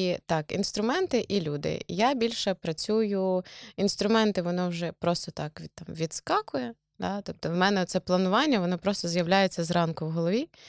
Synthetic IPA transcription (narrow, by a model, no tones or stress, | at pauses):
it̪ɑkḭnst̪ɾʊmɛnt̪ɪʔilʲud̪ɪ̰jabʲilʲʃɛpɾɐt͡sʲujʊinst̪ɾʊmɛnt̪ɪʋɔnɔwʒɛpɾɔst̪ɔt̪ɑkʋʲt̪ɑmʋʲid̪skɑkʊjɛ | d̪ɑt̪ɔp̚t̪ɔʋmɛnɛɔt̪sɛplˠɐnʊʋɑnʲːɐʋɔnɔpɾɔst̪ɔzjɐwlʲajet͡sʲːɐzɾɑnkʊwɦɔlˠɔʋʲi